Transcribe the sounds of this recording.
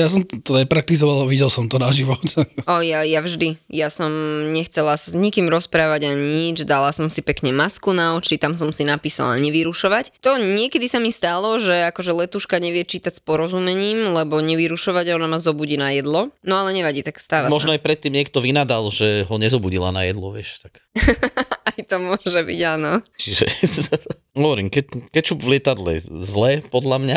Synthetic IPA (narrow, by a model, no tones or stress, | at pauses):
jas̬ɔmt̪ɔd̪ɛpɾak̚t̪izɔʋalʋiɟɛlˠsɔmt̪ɔnaʒiʋɔt̪ɔjajavʒd̪ijasɔmɲɛxt͡sɛlasazɲikiːmɾɔspɾaːʋaɟaɲiɲid͡ʒd̪alasɔmsipɛkɲɛmaskunaɔt͡ʃit̪amsɔmsinapiːsa̰la̰ɲɛʋiɾuʃɔʋact̪ɔɲɪɛkɛd̪isamist̪alɔʒɛakɔʒɛlɛt̪uːʃkaɲɛʋɪɛt͡ʃiːt̪acʲspɔɾɔzumɛɲiːmlɛbɔɲɛʋiɾuʃɔʋaɟaɔnamazɔbuɟiːnajɛd̪lɔnɔalɛɲɛʋaɟiːt̪akst̪aːʋamɔʒnɔajpɾɛt̪ːiːmɲɪɛkt̪ɔʋinad̪alʒɛɦɔɲɛzɔbuɟila̰najɛ̰d̪lɔ̰ʋɪɛ̰ʃt̪ak | ajt̪ɔmʊɔʒɛbḭɟaːnɔt͡ʃiʒɛ̰ | ɦɔʋɔɾḭːmkɛkɛct͡ʃuʋlɪɛt̪ad̪lɛ̰zlɛːpɔd̪lamɲa